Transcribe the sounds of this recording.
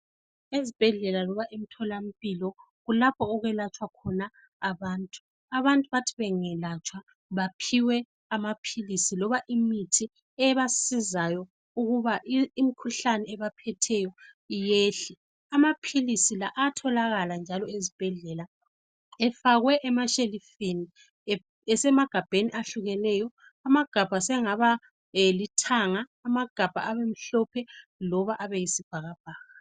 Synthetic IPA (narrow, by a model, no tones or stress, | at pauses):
ezib̥ʱɛɮɛlalɔβaʔim̩tʰɔlam̩pʼilɔ | ɣulapʰɔːɣɛlat͡ʃʼwakʰɔnaː | βaːntʼu̥ | aβantʼuβatʰiβɛŋɛlat͡ʃʼwa | βapʰiwɛ | amapʰilisilɔβaʔimitʰi | ɛβasizajɔ | uɣuβaʔːm̩kʰuɬanɛɛβapʰɛtʰɛjɔ | jeːɬɛ | amapʰilisilaʔatʰɔlaɣaland͡ʒʱalɔezib̥ʱɛɮɛla | ɛfaɣwɛʔɛmaʃelifini | ɛsɛmaɡ̥ʱab̥ʱeniʔaɬuɣɛnɛːjɔ | amaɡ̥ʱab̥ʱasɛŋaβa | litʰaŋaːmaɡ̥ʱab̥ʱaʔaβem̩ɬɔpʰɛlɔβaʔaβejisib̥ʱaɣab̥ʱaːɣa